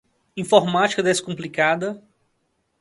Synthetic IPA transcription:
ĩfɔɾmat͡ʃi̥kɐd̪eskõplikad̪ɐ

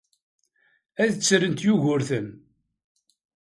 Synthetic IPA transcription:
æðt͡sːɾənt̪juʝʊɾθən

